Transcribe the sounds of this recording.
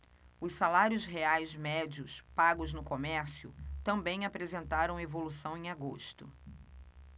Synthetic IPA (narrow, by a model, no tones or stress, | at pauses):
ʊssalaɾjʊzɦeajzmɛd͡ʒiʊspaɡʊznʊkomɛɾsjʊ̰t̪ɐ̃mbẽj̃apɾezẽnt̪aɾɐ̃w̃evolusɐ̃w̃ẽj̃aɡoʃt̪ʊ